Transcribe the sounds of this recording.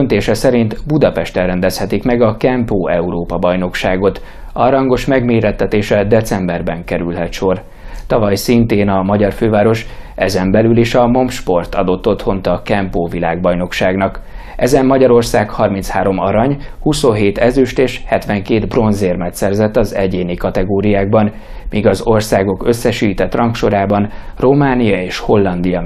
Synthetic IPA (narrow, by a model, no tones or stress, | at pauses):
ønt̪eːʃɛsɛɾint̪bud̪ɒpɛʃt̪ɛrɛnd̪ɛshɛt̪ikmɛɡɒkɛmpoːɛuɾoːpɒbɒjno̞kʃaːɡo̞t̪ | ɒɾɒŋɡo̞ʃmɛɡmeːɾɛt̪ːɛt̪eːʃɛd̪ɛt̪sɛmbɛrbɛŋkɛɾylɦɛt̪ʃo̞r | t̪ɒvɒjsint̪eːnɒmɒɟɒrføːvaːɾo̞ʃʔɛzɛmbɛlyliʃɒmo̞mʃpo̞rt̪ɒ̰d̪o̞t̪ːo̞t̪ho̞nt̪ɒkɛmpoːvila̰ːɡbɒjno̞kʃaːɡnɒk | ʔɛzɛmːɒɟɒɾo̞rsaːkhɒrmint̪shaːɾo̞mɒɾɒɲhuso̞nɦeːt̪ɛzyʃt̪eːʃhɛt̪ʋɛŋkeːd̪bro̞nzeːrmɛt̪sɛrzɛt̪ːɒzɛɟeːnikɒt̪ɛɡoːɾijaːɡ̚bɒn | miːɡɒzo̞rsaːɡo̞kø̞sːɛʃiːt̪ɛt̪ːrɒŋkʃo̞ɾaːbɒnro̞maːnijɒeːʃho̞lːɒnd̪ijɒ